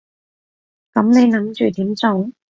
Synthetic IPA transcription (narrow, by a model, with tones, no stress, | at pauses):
kɐ˨˥mne˨˧jnɐ˨˥mt͡ʃy̰ː˨t̪iː˨˥mt͡sʊ˨˧˥ŋ